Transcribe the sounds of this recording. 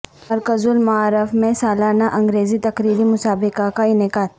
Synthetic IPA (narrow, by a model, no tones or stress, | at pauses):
mɐɾkəzʊlmaaːɾɪfmẽsaːlaːnaʔɐ̃ŋɡɾeːzit̪ɐkɾiːɾimʊsaːbɪkakaɪnɪkaːt̪̚